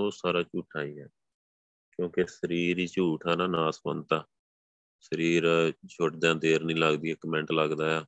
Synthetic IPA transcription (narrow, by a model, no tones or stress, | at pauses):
oːsaːɾaːt͡ʃuːʈʰaːiːɛː | kjõːkesəɾiːɾiːt͡ʃuːʈʰaːnãːnaːsbə̰nt̪aː | səɾiːɾt͡ʃʰʊʈd̪jãːd̪eːɾnĩːləɡd̪iːɛkəmɛ̃ɳʈləɡd̪aːjaː